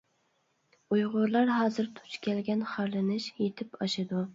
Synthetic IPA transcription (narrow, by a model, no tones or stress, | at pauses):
ujʁʊɾlˠɑɾɦɑːzɨɾt̪ʰʊ̥t͡ʃkʲɛlɡʲɛnχɑɾlɪnɪʃjet̪ʰɪpɑʃɪd̪ʊ